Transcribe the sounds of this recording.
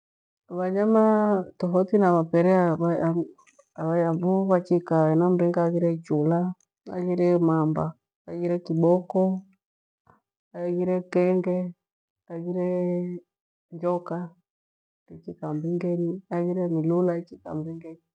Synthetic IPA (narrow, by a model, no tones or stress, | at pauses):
βaɲamatɔɦɔtinamapɛɾɛaβa | aβajamvuβat͡ʃikaɛnam̩ɾɛŋɡaːɣiɾɛt͡ʃula | a̰ɣiɾɛmamba | aɣiɾɛkiɓɔkɔ | aɣiɾɛkɛŋɡɛ | aɣiɾɛ | ɲd͡ʒɔka | tit͡ʃikambiŋɡɛniaɣiɾɛmilulaɛt͡ʃika̰mbiŋɡɛni